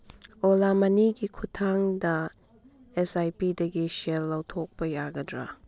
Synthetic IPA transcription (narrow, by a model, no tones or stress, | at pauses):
olamɐniɡikʰutʰaŋdɐ | esajpidɐɡiselːɐwtʰok̚pɐjaɡɐdɾa